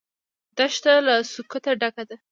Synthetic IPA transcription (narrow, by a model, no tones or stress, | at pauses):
d̪̥aʃt̪alasukut̪aɖakad̪a